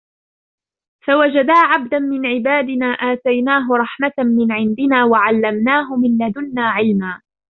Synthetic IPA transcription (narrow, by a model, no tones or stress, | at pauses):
fawad͡ʒad̪aːʕab̚d̪anmɪnʕɪbaːd̪ɪnaːʔaːt̪ajnaːɦʊɾˤɑħmat̪amɪnʕɪnd̪ɪnaːwaʕalːamnaːɦʊmɪnlad̪ʊnːaːʕɪlmaː